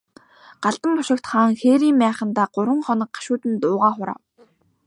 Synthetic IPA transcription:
ɢ̥aɮt̪ə̆mpʊʃɪ̆kt̪χaːŋxeːɾiːmpæːχə̆nt̪aːɢʊɾwə̆ŋχɔnɞ̆k̚ɢḁʃʊːt̪ɘ̆nt̪ʊːʁaːχʊɾa̰ː

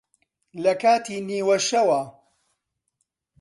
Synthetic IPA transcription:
lɐkaːt̪ʰiːniːwɐʃɐwɐ

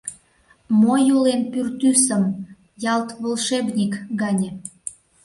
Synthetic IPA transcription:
mojulenpyrt̪ysəm | jɑlt̪βolʃeβnʲikɡɑnʲe

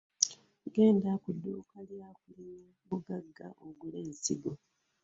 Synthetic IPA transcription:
ɡe̞ːndakudːuːkaljjakulina | muɡaɡːa̰ʔoŋɡuleːnziɡo

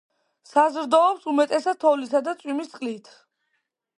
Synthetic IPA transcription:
sazɾd̪ɔːpsumɛt̪ʼɛsad̪̚t̪ʰɔlisad̪at̪sʼwimist̪ʼqʼlit̪ʰ

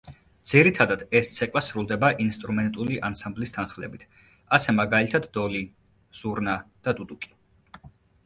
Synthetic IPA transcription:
d̪z̥iɾit̪ʰad̪ad̪̥ɛst̪sʰɛkʼwasɾulˠd̪ɛbaʔinst̪ʼɾumɛnt̪ʼuliʔansamblist̪ʰanχlɛ̰bit̪ʰ | asɛmaɡalit̪ʰad̪ːɔli | z̥uɾnad̪̥ad̪ud̪ukʼi̥

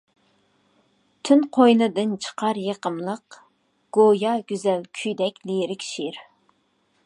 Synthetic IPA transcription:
t̪ʰynqʰojnɨd̪ɨnt͡ʃʰə̥qʰɑɾjeqəmlˠəq | ɡ̥ojɑɡʲyzɛlkʲʰyjd̪ɛkʲleɾɪkʲʃiɾ

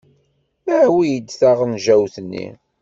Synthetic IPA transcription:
mæʕwijəd̪ːθaʁənʒæwθənːḭ

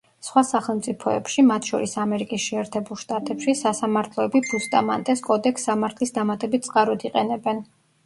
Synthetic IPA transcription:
sχwasaχɛlˠmt̪sʼipʰɔɛpʃimat̪ʰʃɔ̰ɾisamɛɾikʼisʃɛːɾt̪ʰɛbulˠʃt̪ʼat̪ʼɛpʃisasamaɾt̪ʰlˠɔɛbibust̪ʼa̰mant̪ʼɛskʼɔd̪ɛksːamaɾt̪ʰlisd̪amat̪ʼɛbit̪̚t̪sʼqʼaɾɔd̪iqʼɛnɛbɛn

